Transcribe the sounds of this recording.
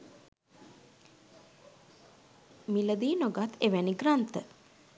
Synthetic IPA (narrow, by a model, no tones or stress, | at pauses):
miləd̪iːnoɡat̪ʰeʋæniɡrant̪ə